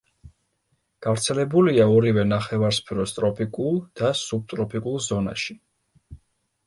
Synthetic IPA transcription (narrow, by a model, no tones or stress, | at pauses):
ɡ̥avɾt̪sʰɛlɛbuliaɔɾivɛnaχɛvaɾspʰɾɔst̪ʼɾɔpʰikʼulˠd̪̥asub̚t̪ʼɾɔpʰikʼulˠzɔna̰ʃi